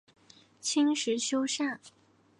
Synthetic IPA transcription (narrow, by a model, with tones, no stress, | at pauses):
t͡ɕʰi˥ŋʂɻ̩˧˥ɕjo˥ʊʂa˥˩n